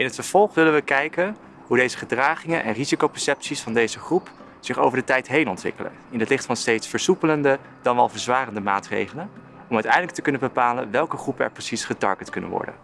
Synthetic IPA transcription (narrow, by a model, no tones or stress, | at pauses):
ɪnɦətfəɹv̥ɔlˠχʋɪlənʋəkɛjkən | ɦudejzəχədraːχɪŋənʔɛ̰nrizikowpɛɹsɛpsisfɑndejzəχrup | z̥ɪχo̰wvəɹdətɛjtɦejnɔntʋɪ̰kələ̰nɪnɦətlɪχtfɑnstejtsfəɹsupələndə | d̥ɑnʋɛlˠvəɹzʋaːrəndəma̰ːtrḛjχələn | ɔmœɥtɛjndləktəkɵnənbəpaːlə̰nʋɛlˠkəχrupənɛ̰ɹprəsisχətɑ̰ɹɡətkɵnə̰nʋɔ̰ɹdə̰n